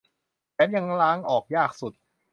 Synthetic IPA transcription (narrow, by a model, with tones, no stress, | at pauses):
pʰɛː˦˥mja˧ŋlaː˦˥ŋʔɔː˨˩k̚jaː˥˩k̚su˨˩t̪̚